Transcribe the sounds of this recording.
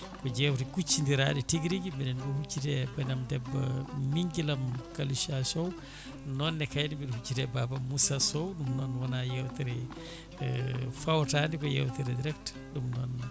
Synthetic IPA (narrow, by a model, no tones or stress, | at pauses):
kɔd͡ʒɛwtɛkut͡ʃːindiɾaːɗitiɡɾid͡ʒimɛnɛnɡɔhut͡ʃːitɛbɛnamdɛbːa̰miŋɡilamkaliʃasɔw | nɔnːɛkajdibiɗɔhut͡ʃːitɛbabamusasɔwɗumnɔnwɔnajɛwtɛɾɛ | fawtaːndikɔjɛ̰wtɛɾɛdiɾɛkt | ɗumnɔn